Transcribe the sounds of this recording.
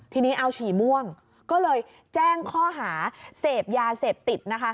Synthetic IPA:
t̪ʰiː˧niː˦˥ʔa˧wt͡ɕʰiː˨˩˦mu˥˩əŋ | kɔː˥˩lɤː˧j | t͡ɕɛː˥˩ŋkʰɔː˥˩ɦaː˩˦seː˨˩p̚jaː˧seː˨˩p̚t̪i˨˩t̪̚na˦˥kʰa˦˥

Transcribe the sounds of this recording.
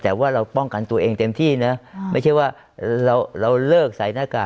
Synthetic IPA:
t̪ɛː˨˩waː˥˩ɾa˧wpɔ˥˩ŋka˧nt̪u˧ɐʔeː˧ŋt̪e˧mt̪ʰiː˥˩na˦˥ma˥˩jt͡ɕʰa˥˩jwaː˥˩ | ɾa˧wɾa˧wlɤː˥˩k̚sa˩˦jnaː˧˥˩ka̰ː˨˩

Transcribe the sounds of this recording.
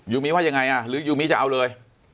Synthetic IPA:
zu˧mi˨˧˥waː˧˦˩a˨˩ŋa˨˩jʔaː˨˩lɨ˨˦zu˧mi˨˦˥t͡ɕa˧ʔa˧wləː˨˩j

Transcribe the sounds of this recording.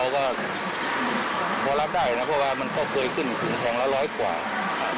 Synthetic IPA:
a˧wkɔː˥˩˧ | pʰɔː˧la˦˥p̚daː˥˩jna˦˥pʰɔ˧˥˩waː˧ma˧nkɔː˥˩kʰɤː˧jkʰɯ˥˩n˨˩kʰɯː˨˩˦ŋt̪ʰɛː˧ŋlaː˧˥wlɔː˦˥˩jkwa̰ː˨˩ | kʰa˧˩

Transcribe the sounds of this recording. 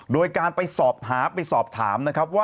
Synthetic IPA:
doː˧jkaː˧npa˧jsɔː˨˩p̚ɦaː˩˦pa˧jsɔː˨˩p̚t̪ʰa̰ː˩˦mna˦˥kʰɾa˦˥p̬̚waː˥˩

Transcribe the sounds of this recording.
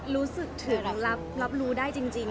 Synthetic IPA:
ɾuː˦˥sɯ˨˩k̚t̪ʰɯː˩˦la˦˥p̚la˦˥p̚ɾuː˦˥daː˥˩jt͡ɕi˧ŋt͡ɕi˧ŋ

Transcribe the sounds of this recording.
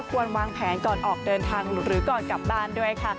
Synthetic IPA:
kʰu˧ənwaː˧ŋpʰɛː˩˦nkɔː˨˩nʔɔː˨˩k̚dɤː˧nt̪ʰaː˧ŋ˩˦ɾɯː˩˦kɔː˨˩nka˨˩p̚baː˥˩ndu˥˩əjkʰa˥˩

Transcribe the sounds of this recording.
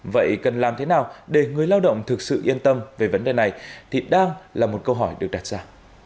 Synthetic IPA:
və̰˧˨jkə˨˩nlaː˨˩mt̪ʰe˨˦naː˨˩wɗe˧˩ŋɨ˨˩əjlaː˧wɗə̰˧˨wŋ͡mt̪ʰɨ˨˩k̚sɨ̰˧˨ʔi˧ənt̪ə˧mve˨˩və˨˦nɗe˨˩na˨˩jt̪ʰi˨˩ɗaː˧ŋlaː˨˩mo˨˩t̚kə˧wɦɔ˧˩jɗɨ˨˩ək̚ɗaː˨˩t̚zaː˧

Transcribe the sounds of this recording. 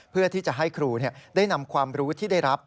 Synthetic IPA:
pʰɯ˥˩ɐt̪ʰiː˥˩t͡ɕa˨˩ʔɦa˥˩jkʰɾuː˧ni˥˩ɐdaː˥˩jna˧mkʰwaː˧mɾuː˦˥t̪ʰiː˥˩da˥˩jɾa˦˥p̚

